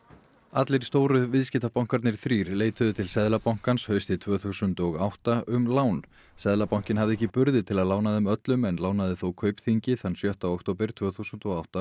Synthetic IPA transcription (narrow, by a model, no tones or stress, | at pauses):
at̪lɪɾ̥st̪oːwɾʏvɪðscɪt̪apawŋ̥kaɾt̪nɪɾ̥θɾiːɾleːjt̪ʏðʏt̪ʰɪlsɛðlapawŋ̥kanshœɥst̪ɪt̪ʰv̥œːθusʏnt̪ɔɣawht̪aʔʏmlaːwn | sɛðlapawŋ̥cɪnɦavðɪɛhcːɪpʏɾðɪt̪ʰɪlaðlaːwnaðɪmœt̪lʏmɛnlaːwnaðɪθowkʰœːɥpθiɲcɪθanːsjœht̪awɔk̚ʰt̪oːwpɪɾ̥t̪ʰv̥œːθusʏnt̪ɔɣawht̪a